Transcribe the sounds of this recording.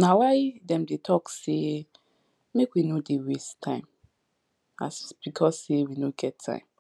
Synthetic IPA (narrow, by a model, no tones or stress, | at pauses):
nawaɪdɛ̃mdetʰɔkse | mekwinodeɹestʰãɪ̃m | a̰sb̥ikʰɔsːewinoɡɛtʰːã̰ɪ̃m